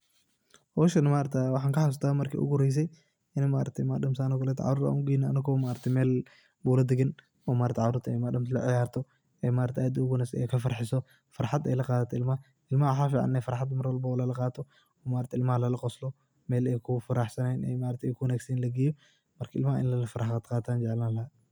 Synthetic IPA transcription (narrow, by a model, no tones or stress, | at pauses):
hɔːʃɐnɐmaːɾɐt̪ʰɛwɑħɑːŋkɐħas̬t̪ʰaːmɐrkʰḭʔʊ̰ɡʊɾɛjs̬ɛj | ʔɪnɐmaːɾɐt̪ʰɛjmaɗɐmsaːnɔkɐlɛːt̪ʰʕɑ̰ɾʊɾa̰ʔuŋɡiːnɐɐ̰nɐkʰɔmaːɾɐt̪ʰɛjmɛːl | buːlɐd̪ɪɡɪn | ɔːmaːɾɐt̪ʰɛʕaɾʊɾt̪ʰɛjmaɗɐmslɐʕɪjaːrt̪ʰɔ | ɛmaːɾɐt̪ʰɛʔaːd̪ʊɣʊnɐsɛ̰jkʰɐfɐrħɪsɔ | fɐɾħad̪ɛ̰jlɐqɑːðɐt̪ʰɔɪlmɐ | ɪlmɐwħaːfiːʕɑ̰nːɛfɐɾħad̪mɐɾwɐlbɐlɐlɐqɑːt̪ʰɔ | ɔːmaːɾɐt̪ʰɛɪlmɐhɐlɐlɐqɔslɔ | mɛːlɛːjkʰʊfɐɾaːħsɐnɛjnʔɛ̰jmaːɾɐt̪ʰɛɛjkʰʊwɐnaːɡsinlɐɡɪjɔ | mɐrkʰɐɪlmɐʔɪ̰nlɐlɐfɐɾħad̪qɑːt̪ʰaːnd͡ʒɛʕlalɐɐ